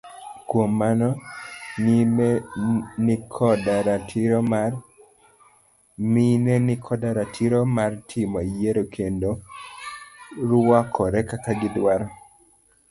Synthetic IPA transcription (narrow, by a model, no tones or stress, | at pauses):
kwomːanɔnim | nɪkʰɔdaɾatʰɪɾɔma | minenɪkʰɔdaɾatʰɪɾomartʰɪmɔjeɾokʰendo | ɾwakʰɔɾɛkataɡɪdwaɾɔ